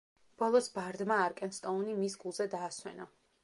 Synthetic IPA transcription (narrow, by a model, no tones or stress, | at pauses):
b̥ɔlˠɔsbaɾd̪maːɾkʼɛnst̪ʼɔunimisɡulˠzɛd̪aːswɛ̰na